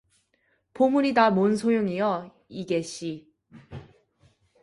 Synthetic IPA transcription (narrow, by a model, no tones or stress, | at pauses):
pomuɾidamonsʰojoŋijʌ | iɡeɕ͈i